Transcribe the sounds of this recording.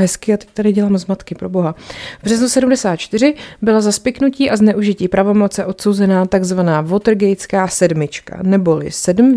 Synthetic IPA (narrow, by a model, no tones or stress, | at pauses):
ɦɛskɪat̪ɛ̥c̚t̪adɪɟɛlaːmzmat̪kɪpɾo̞bo̞ɦavbr̝ɛznusɛdumdɛsaːt̪̚t͡ʃt̪ɪrɪbɪlazaspɪknuciːʔaznɛʔuʒɪciːpɾavo̞mo̞tt͡sɛʔo̞t̪so̞wzɛnaːt̪aɡzvanaːvo̞t̪r̩ɡɛjt͡skaːsɛdmɪt͡ʃka̰nɛbo̞lɪ̰sɛdm̩